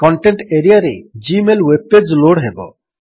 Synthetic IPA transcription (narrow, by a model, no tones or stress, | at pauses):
kɔɳʈeɳʈeɾijaɾed͡ʒimelweb̚ed͡ʒloɽɦebɔ̰